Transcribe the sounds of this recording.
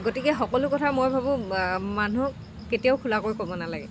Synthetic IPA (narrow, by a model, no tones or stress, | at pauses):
ɡotikɛxɔkɔlʊkɔtʰamojbʱabũmanu | ketijaʊkʰulakojkobɔnalaɡɛ